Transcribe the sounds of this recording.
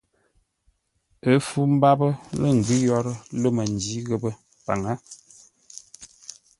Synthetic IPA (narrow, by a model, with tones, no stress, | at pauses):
ə˦fu˦m̩˦ba˦bə˦lə˦˨ŋ̩˨ɡi˦jɔ˦ɾə˦lo˦mə˨n˨d͡ʒi˨˦ɣə˦bə˦ | pa˨ŋa˦